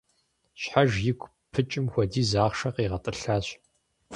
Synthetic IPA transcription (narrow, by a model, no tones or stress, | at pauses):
ɕħaʒjɪɡʷʰʼ | pʰɨt͡ʃʼɪmxʷɔdiːzaːχʂɐqiːʁɐtʼɨɬaːɕ